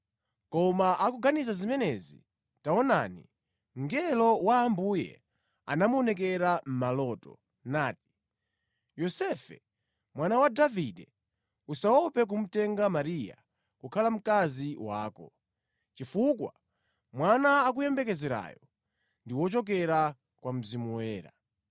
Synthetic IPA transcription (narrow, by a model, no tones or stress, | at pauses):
kɔmaʔakuɡanisazimɛnɛzḭ | taɔna̰ːni | ŋɡɛlɔwaːmbujɛ̰ | a̰namuɔnɛk̬ɛɾam̩malɔːtɔ̰ | naːt̚i̥ | jɔsɛfɛ̰ | mwanawadaviɗɛ | usawɔpɛk̬um̩tɛŋɡamaɾija̰ | kukʰalam̩kaziwaːkɔ̰ | t͡ʃifukwa | mwanaːk̬ujɛmbɛkɛzɛɾa̰ːjɔ | ndiwɔt͡ʃɔk̬ɛɾa | kwam̩zimuwɛːɾa̰